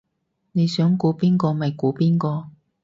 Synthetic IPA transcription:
ne˨˧jsœː˨˥ŋkuː˨˧piː˥nkɔː˧mɐ˨jkuː˨˥piː˥nkɔː˧

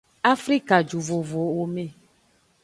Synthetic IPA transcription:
a˦fɾi˦ka˨d͡ʒu˨vo˨vo˨o˨mẽ˨

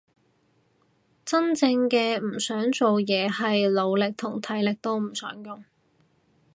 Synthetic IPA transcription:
t͡sɐ˥nt͡sɪ˧ŋkɛː˧m̩˨˩sœː˨˥ŋt͡so˨wjɛː˨˧hɐ˨jlo˨˧wlɪ˨k̚t̪ʰʊ˨˩ŋt̪ʰɐ˨˥jlɪ˨k̚t̪o˥wm̩˨˩sœ̰ː˨˥ŋjʊ˨ŋ

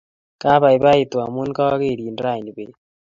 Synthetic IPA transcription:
ka˦βa˨i˨βa˦i˨twa˨mu˦n˦ka˦wa˦ɣe˦˨ɾi˨ndɾa˦˨i˨ni˨be˨

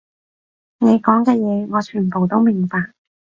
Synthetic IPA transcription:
ne˨˧jkɔː˨˥ŋkɛː˧jɛː˨˧ŋɔː˨˧t͡ʃʰyː˨˩npo˨wt̪o˥wmɪ˨˩ŋpaː˧k̚

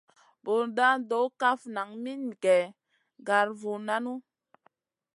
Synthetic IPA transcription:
bo˨ɾda˦do˨˦ka˦fna˨ŋmi˦n˨kɛ˨ | ɡa˨ɾvu˨na˦nu˦

